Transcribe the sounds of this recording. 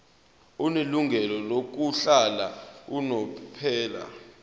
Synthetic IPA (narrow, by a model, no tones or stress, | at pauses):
uneluŋɡʱɛlɔlok̬uɬalaunɔpʰɛːla̰